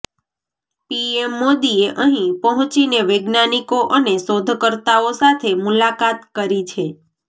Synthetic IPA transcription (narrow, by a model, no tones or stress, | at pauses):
piemːod̪ieʔəɦĩpəɦʊ̃t͡ʃineʋeɡnanikoʔənesod̪ʱkəɾt̪aosat̪ʰemulakat̪kəɾit͡ʃʰe